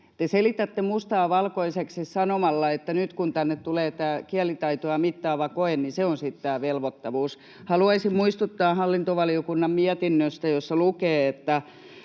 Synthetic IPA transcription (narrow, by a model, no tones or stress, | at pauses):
t̪eselit̪æt̪ːemust̪ɑːʋɑlkoiseksissɑnomɑlːɑet̪ːænyt̪kunt̪ænːet̪t̪uleːt̪æːkiælit̪ɑit̪oɑmit̪ːɑːʋɑkoenniseonsit̪t̪æːʋelʋot̪ːɑʋuːs | hɑluɑisimmuist̪ut̪ːɑːhɑlːint̪oʋɑliokunːɑmmiæt̪inːøst̪æjosːɑlukeːet̪ːæ